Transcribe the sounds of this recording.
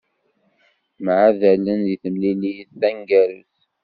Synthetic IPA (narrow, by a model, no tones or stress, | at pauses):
mʕaðælənðiθəmlilijəst̪æŋɡæɾṵθ